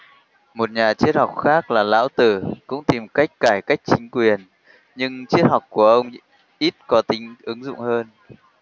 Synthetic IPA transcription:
mo˨˩t̚ɲaː˨˩t͡ɕi˦˥ət̚ha˨˩wk͡p̚xaː˦˥k̚laː˨˩la̰ː˧˥wt̪ɨ˧˩kʊ̰˧˥ŋ͡mt̪i˨˩mka˦˥jk̟̚kaː˧˩jka˦˥jk̟̚t͡ɕï˨˦ŋ̟kwi˨˩ən | ɲɨ˧ŋt͡ɕi˦˥ət̚hɔ˨˩wk͡p̚ku˧˩əʔə˧wŋ͡m | ʔi˦˥t̚kɔ˨˦t̪ï˨˦ŋ̟ʔɨ˨˦ŋzʊ̰˧˨ŋ͡mhəː˧n

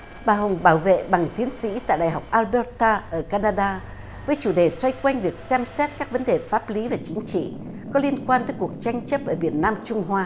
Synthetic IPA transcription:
ɓaː˨˩ɦə˨˩wŋ͡mɓaː˧˩wvḛ˧˨ɓa˨˩ŋt̪i˨˦ənsḭ˧˥t̪a̰ː˧˨jɗa̰˧˨˩jɦa˨˩wk͡p̚ʔaː˧lɓɛ˧˦˥tt̪aː˧ʔəː˧˩kaː˧naː˧ɗaː˧ | vəː˨˦jt͡ɕu˧˩ɗe˨˩swa˧jkwa˧jŋ̟vi˨˩ək̚sɛ˧msɛ˦˥t̚kaː˦˥k̚və˨˦nɗe˨˩faː˦˥p̚li˨˦vaː˨˩t͡ɕï˨˦ŋ̟t͡ɕḭ˧˨ | kɔ˨˦li˧ənkwaː˧nt̪əː˨˦jku˨˩ək̚t͡ɕa˧jŋ̟t͡ɕə˦˥p̚ʔəː˧˩ɓi˨˧˩ənːaː˧mt͡ɕʊ˧ŋ͡mɦwaː˧

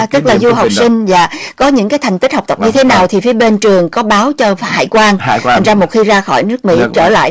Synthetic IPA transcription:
t̪ɨ˦˥k̚laː˨˩zu˧ɦa˨˩w̚k͡pssï˧ŋ̟zaː˧˨kɔ˨˦ɲɨ̰˧˥ŋkaː˨˦jt̪ʰŋt̪i˦˥t̚hə˨˩wk͡p̚t̪ə˨˩p̚ɲɨ˧t̪ʰe˨˦naː˨˩wt̪ʰi˨˩fi˨˦əɓe˧nt͡ɕɨ˨˩əŋkɔ˨˦ɓaː˨˦wt͡ɕɔ˧˨˩ha̰ː˧˨jkwaː˧ŋ˧t̪a˨˩ŋzaː˧mo˨˩t̚xi˧zaː˧xɔ˧˩jnɨ˦˥ək̚mḭ˧˥t͡ɕəː˧˩la̰ː˧˨j

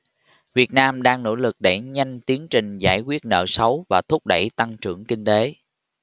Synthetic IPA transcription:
vi˨˩ət̚naː˧mɗaː˧ŋno̰˧˥lɨ˨˩k̚ɗa̰˧˩jɲa˧jŋ̟t̪i˨˦əŋt͡ɕï˨˩ŋ̟za̰ː˧˩jkwi˦˥ət̚nə̰ː˧˨sə˨˦wvaː˨˩t̪ʰʊ˦˥k͡p̚ɗə̰˧˩jt̪a˧ŋt͡ɕɨ̰˧˩əŋkï˧ŋ̟t̪e˨˦

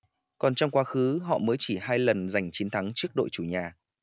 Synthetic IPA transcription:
kɔ˨˩nt͡ɕɔ˧wŋ͡mkwaː˧xɨ˨˦ɦɔ̰˧˨məː˨˦jt͡ɕi˧˩ɦaː˧jlə˨˩nza˨˩jŋ̟t͡ɕi˨˦nt̪ʰa˨˦ŋt͡ɕɨ˦˥ək̚ɗo̰˧˨jt͡ɕu˧˩ɲaː˨˩

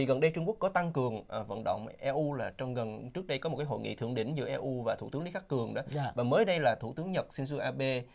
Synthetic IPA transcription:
i˨˩ɣə˨˩nɗə˧jt͡ɕʊ˧ŋku˦˥ək̚kɔ˨˦t̪a˧ŋkɨ˨˩əŋː˨˩və̰˧˨nɗə̰˧˨ŋ͡mʔɛ˧ʔu˧laː˨˩t͡ɕɔ˧wŋ͡mɣə˨˩nt͡ɕɨ˦˥ək̚ɗə˧jkɔ˨˦mo˨˩kaː˨˦jho̰˧˨jŋḭ˧˨t̪ɨ˧əŋɗḭ˧˥ŋ̟zɨ̰˧˥əʔɛ˧ʔu˧vaː˨˩t̪ʰṵ˧˩t̪ɨ˨˦ŋli˨˦xaː˦˥k̚kːɨ˨˩əŋɗɔ˨˦˧vaː˨˩məː˨˦jɗə˧jlaː˨˩t̪ʰu˧˩t̪ɨ˨˦ŋɲə˨˩t̚si˧ns̬ɨ˧ʔaː˧ɓe˧

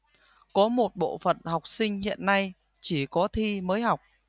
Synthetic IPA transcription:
kɔ˨˦mo˨˩t̚ɓo̰˧˨fə̰˨˩˨nha˨˩wk͡p̚sï˧ŋ̟hḭ˧˨ənːa˧j | t͡ɕi˧˩kɔ˨˦t̪ʰi˧məː˨˦jɦa˨˩wk͡p̚

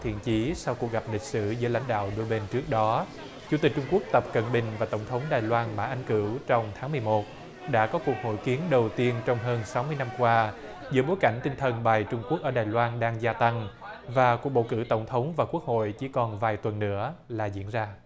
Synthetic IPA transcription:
t̪ʰḭ˧˨ənt͡ɕi˨˦sa˧wku˨˩ək̚ɣa˨˩p̚lï˨˩k̟̚sɨ̰˧˥zɨ̰˧˥əla̰˧˥jŋ̟ɗa̰ː˧˨wɗo˧jɓe˧nt͡ɕɨ˦˥ək̚ɗɔ˨˦ | t͡ɕu˧˥t̪i˨˩k̟̚t͡ɕʊ˧ŋ͡mku˦˥ək̚t̪ə˨˩p̚kə̰˧˩nɓï˨˩ŋ̟vaː˨˩t̪ə˧˩wŋ͡mt̪ʰə˨˦wŋ͡mɗaː˨˩jlwaː˧nma̰ː˧˥ʔa˧ŋ̟kɨ˧˩wt͡ɕɔ˧wŋ͡mt̪ʰaː˨˦ŋmɨ˨˩əjmo˨˩t̚ | ɗa̰ː˧˥kɔ˨˦ku˨˩k̚ho̰˧˥jki˨˦ənɗə˨˩wt̪i˧ənt͡ɕɔ˧wŋ͡mɦəː˧nsa˨˦wmɨ˧əjna˧mkwaː˧ | zɨ̰˧˥əɓo˨˦jka˧˩jŋ̟t̪ï˧ŋt̪ʰə˨˩nɓaː˨˩jt͡ɕʊ˧ŋ͡mku˦˥k̚ʔəː˧˩ɗaː˨˩jlwaː˧nɗaː˧ŋzaː˧t̪a˧ŋ | vaː˨˩ku˨˩k̚ɓo̰˧˨kɨ̰˧˩t̪ə˧˩wŋ͡mt̪ʰə˨˦wŋ͡mvaː˨˩ku˦˥ək̚ho̰˧˨jt͡ɕi˧˩kɔ˨˩nvaː˨˩jt̪wə˨˩nːɨ̰˧˥əlaː˨˩zḭ˧˥ənzaː˧

